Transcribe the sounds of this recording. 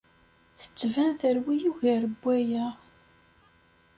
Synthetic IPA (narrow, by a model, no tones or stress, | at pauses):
θə̥t͡sːvænθəɾwijuʝæɾəbʷːæjæ